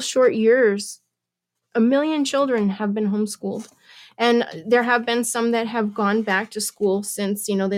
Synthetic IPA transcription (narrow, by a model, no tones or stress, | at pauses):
ʃɔɹʔjɪɹz̥ | ʔəmɪlˠjɨ̃nt͡ʃʰɪlˠdɹɨ̃nəvbɨ̃nɦõʊ̃mskulˠd | ʔɨ̃nðə˞ɨvbɨ̃nsʌ̃mðɨt̚ɦɨvɡɔ̃nbæk̚tʰɨskulˠsɪ̃nsjɨnoʊð